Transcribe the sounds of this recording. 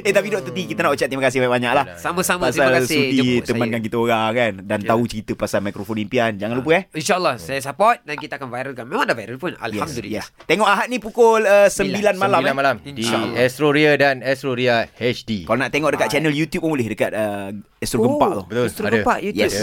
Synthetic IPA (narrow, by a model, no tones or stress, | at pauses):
et̪apidɔʔt̪ut̪̬ikit̪anaʔt͡ʃat̪ːɾimakas̬ɪhbajʔ̚baɲaʔlahsamasamasalkasudit̪əmankank̬it̪aoɾakandant̪aut͡ʃəɾit̪əpasalmajkɾofonlimpiand͡ʒaŋãnlup̬əɛhinʃaəlːɔhsajas̬əpɔt̪̚dankit̪aːkanvajɾəlkanmemãŋdavajɾəpuna̰ljɛmdlijɛst̪eŋɔʔaɦat̪̚nĩpukʊləsəmbilanmalamlanmalamindiɛst̪ɾoɾiadanɛst̪ɾoɾiahɛt͡ʃdikalonaʔt̪eŋɔʔdəkat̪̚t͡ʃɛnəljut̪jup̚əmulɪhdəkat̪̚ə | ɛst̪ɾoɡəmpa̰ʔt̪ohbət̪t̪oɡdəmpaʔjutjɛ